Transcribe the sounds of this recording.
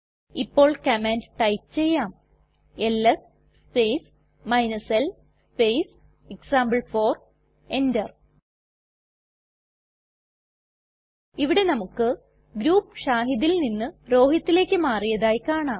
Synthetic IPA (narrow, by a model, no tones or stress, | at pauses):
ipːo̞ːɭkɐmeːndʈɐjpt͡ɕe̞jːaːm | elːɐs | spejs | mɐjnɐsel | spejs | eksaːmbɐɭfo̞ːr | e̞ndɐr | iʋiɽe̞nɐmukːɨ | ɡɾuːpːɨɕaːɦiðilninːɨɾo̞ːɦjɐt̪ːile̞ːkʲːɨmaːrijɐðaːjikaːɳaːm